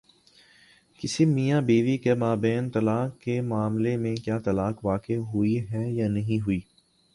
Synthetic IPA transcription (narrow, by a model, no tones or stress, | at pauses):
kɪsimijãbiːʋikemaːbɛːnt̪ɐlaːkːemʊaːmlemẽkjaːt̪ɐlaːkʋaːkeɦʊiɦɛjanɐɦĩɦʊiː